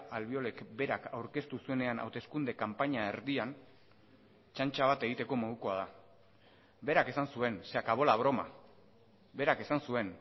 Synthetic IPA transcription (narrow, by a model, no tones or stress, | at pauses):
alβio̞le̞kbe̞ɾakawɾke̞st̪usue̞ne̞anʔa̰wt̪e̞skund̪e̞kampaɲae̞ɾðian | t͡ʃant͡ʃaβ̞at̪e̞ɣit̪e̞ko̞mo̞ð̞uko̞að̞a | be̞ɾake̞sansue̞nseakaβo̞laβ̞ɾo̞ma̰ | be̞ɾake̞sansue̞n